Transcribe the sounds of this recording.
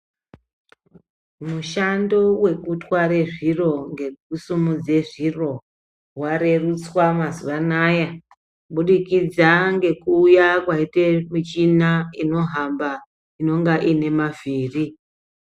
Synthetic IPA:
muʃando̞we̞kutwaɾe̞ʐiro̞ŋɡeusumud͡ze̞ʐiro̞ | waɾe̞rut͡swamazuʋanaja | ɓuɗikid͡zaŋɡe̞kuːjakwaitemit͡ʃinaino̞ɦamba | ino̞ŋɡaʔine̞maviːri

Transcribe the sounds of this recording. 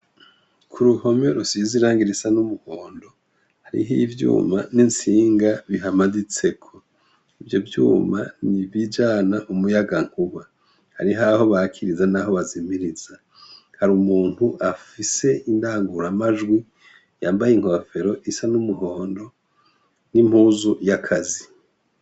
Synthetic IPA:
kʰuɾuho̞me̞ɾusiziɾaːŋɡiɾisanumuhoːndo̞ | haɾḭɦivjṵːmaninsiːŋɡaβiɦamadit͡se̞kʰo | ivjo̞vjṵːmanivid͡ʒaːnaʔumujaɡaŋ̥uβa | ha̰ɾiɦaho̞βaːkʰiɾizanaɦo̞βazimiɾiz̥a | haɾumuːn̥huʔafise̞indaːŋɡuɾamaʒɡwi | jaːmbajiŋ̥ho̞fe̞ɾo̞ʔisanumuɦo̞ːndo̞ | nim̥huzujakʰazi

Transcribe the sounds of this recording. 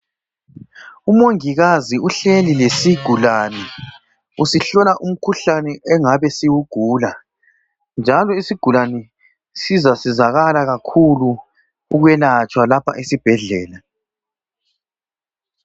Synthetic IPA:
umoŋiɣaziuɬelilesiɡ̥ʱulanɛ | usiɬɔlaʔum̩kʰuɬanɛʔɛŋaβɛsiwuɡ̥ʱuːla | nd͡ʒʱalɔisiɡ̥ʱulanɛ | sizasizaɣalaɣakʰulu | uɣwɛlat͡ʃʼwalapʰa̰ʔisib̥ʱɛɮɛːla

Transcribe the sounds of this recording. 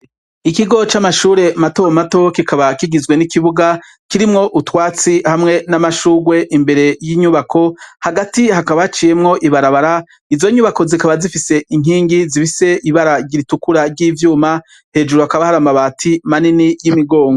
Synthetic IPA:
ikiɡo̞t͡ʃamaʃuːɾe̞matomato̞kikʰaβakiɡizɡwe̞nikiβuɡa | kiɾimŋo̞ʔutwaːt͡sihamŋe̞namaʃuːɡwe̞ʔimbe̞ɾe̞jiɲuβakʰo̞haɡatihakaβat͡ʃije̞mŋo̞ʔiβaɾaβaɾa | izo̞ɲuβako̞zikaβazifise̞ʔiŋ̥iːŋɡizifise̞ʔiβaɾaɟiɾitukuɾaɾɟiːvjuːma | he̞ːd͡ʒuɾuakaβahaɾamaβaːtʰimaninijimiɡo̞ːŋɡo

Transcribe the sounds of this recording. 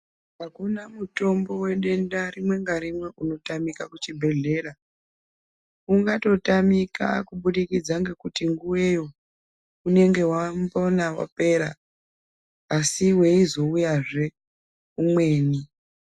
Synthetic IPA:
ɦakunamuto̞mbo̞we̞ɗe̞ndarimwe̞ŋɡaɾimwe̞ʔuno̞tamikakut͡ʃibʱe̞ɮe̞ːɾa | uŋɡato̞tamika̰kuɓuɗikid͡zaŋɡe̞kutiŋɡuwe̞jo̞ | une̞ŋɡe̞wambonawa̰pe̞ːɾa̰ | siwe̞izo̞ujaʐe̞ | umwe̞ːni

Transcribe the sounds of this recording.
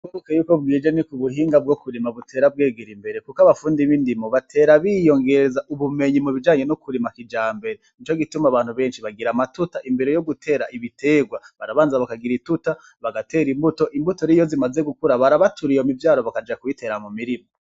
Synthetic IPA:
oɾokejuːkob̚ɡiːd͡ʒenikuβuɦiːŋɡab̚ɡo̞kuɾimaβutʰe̞ːɾab̚ɡeːɡiɾimbe̞ɾe̞kukaβafuːndiβindimoβatʰe̞ːɾaβijo̞ŋɡe̞ɾezaʔuβume̞ɲimuβid͡ʒaːɲe̞nokuɾimakid͡ʒaːmbe̞ɾenit͡ʃo̞ɡitumaβaːn̥huβe̞ːnʃiβaɡiɾamatutaʔimbe̞ɾe̞jo̞ɡutʰe̞ːɾaʔiβite̞ːɡwaβaɾaβaːnzaβakaɡiɾituta | βaɡate̞ːɾimbuto̞ʔimbuto̞ɾijo̞zimazeɡukuɾaβaɾaβatʰuɾijomivjaːɾo̞βakad͡ʒakuite̞ːɾamumiɾimo

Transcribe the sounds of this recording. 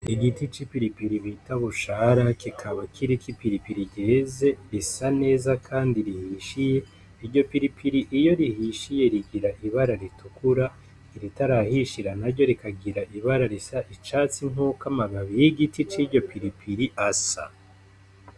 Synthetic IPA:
iɡitit͡ʃipiɾipiɾiβitaβuʃaɾakikʰaβakʰiɾikipiɾipiɾiɟeːze̞ɾisane̞ːzakʰaːndiɾihiʃije̞ | iɾɟo̞piɾipiɾiʔijo̞ɾihiʃije̞ɾiɡiɾaʔiβaɾaɾitukuɾa | iɾitaɾahiʃiɾanaɾɟo̞ɾikaɡiɾaʔiβaɾaɾisaʔit͡ʃaːt͡siŋukamaɡaβijiɡitit͡ʃiɾɟo̞piɾipʰiɾiʔasa̰

